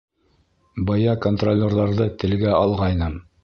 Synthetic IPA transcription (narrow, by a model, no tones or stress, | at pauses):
bɑjɑkont̪rolʲːerðɑɾðɤt̪ɘ̆lɡæɑlˠʁɑjnɤm